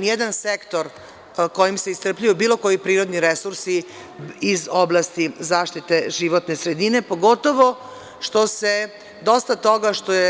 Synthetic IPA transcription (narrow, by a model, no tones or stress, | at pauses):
njed̪ansekt̪oɾ | ko̞jimseist̪r̩plʎujubiːlˠo̞ko̞jipɾiːɾo̞d̪niɾesuɾsi | izo̞blˠast̪izaːʃt̪it̪e̞ʒiʋot̪nesɾed̪ine̞po̞ɡo̞t̪o̞ʋo̞ | ʃt̪o̞se | d̪o̞st̪at̪o̞ɡaʃt̪oje